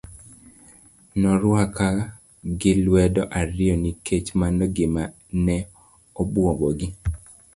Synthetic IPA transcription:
nɔɾwaka | ɡɪlwɛdɔʔaɾɪɔnikʰet͡ʃmanɔɡɪma | nɛ | obwobɔɡɪ

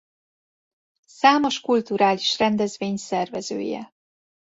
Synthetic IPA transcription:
saːmo̞ʃkult̪uɾaːliʃrɛnd̪ɛzveːɲsɛrvɛzø̰ːjɛ̰

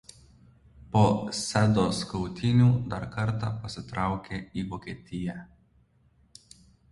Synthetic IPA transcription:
poːsʲæd̪oːskɔʊt̪ʲɪnʲuːd̪ɐɾkɐɾt̪ɑpɐsʲɪt̪ɾɑˑʊkʲeːiːʋoːkʲeːt̪ʲɪjæ

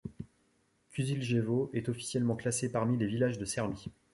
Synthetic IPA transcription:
kyzilʒevoʔɛt̪ɔfi̥sjɛlmɑ̃klasepaʁmilevilaʒd̪əsɛʁmi

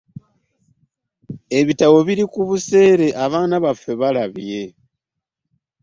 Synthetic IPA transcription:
e̞βitawo̞βilikuβuse̞ːɾe̞ʔaβaːnaβafwe̞βalaβje̞

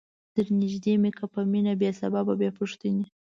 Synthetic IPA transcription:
t̪əɾnɪʒd̪emekapəminabjesabababjɑpuʂt̪əni

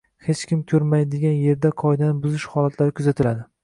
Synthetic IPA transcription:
het͡ʃkʲɪmkʲʰɵɾmajd̪eɡʲanje̞ɾd̪aqʰɒjd̪anɪbʊzɪʃhɒlat̪ʰlaɾɪkʰʊzat̪ʰɪlad̪ɪ

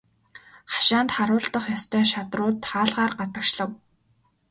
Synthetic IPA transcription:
χḁʃaːnt̪χaɾʊːɮt̪ə̆χjɔst̪ʰœːʃat̪rʊːt̪χaːɮʁaːrɢat̪ə̆kʃɮə̆w

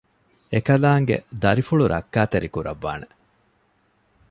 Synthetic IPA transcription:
ekɐlaːŋɡḛd̪ɐɾifuɭuɾʔɐ̰kːaːt̪eɾikuɾɐʋːa̰ːne

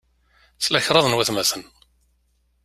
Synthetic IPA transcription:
t͡sːlæçɾˤɑðˤnwæθmæθən

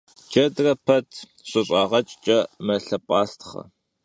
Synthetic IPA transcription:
d͡ʒɐdrɐpʰɐtʰ | ɕʼɨɕʼɑːʁɐt͡ʃʼt͡ʃʼɐmɐɬɐpʷʼaːstʰχɐ̰

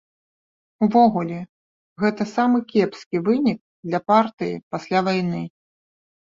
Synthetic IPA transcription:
uvɔɣulʲɛ | ɣɛt̪ɐsamɨkʲɛpskʲivɨnʲik̚ | d̪lʲɐpart̪ɨjḭpasʲlʲavajnɨ

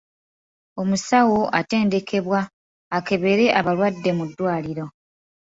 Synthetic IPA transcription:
o̞musawo̞ʔate̞ːnde̞kʰe̞βwaː | ke̞βe̞ɾe̞ʔaβaɾwadːe̞mudːwaːliɾo̞

